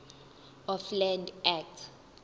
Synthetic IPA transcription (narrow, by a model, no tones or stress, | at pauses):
ɔflɛ̃ndɛk̚tʰ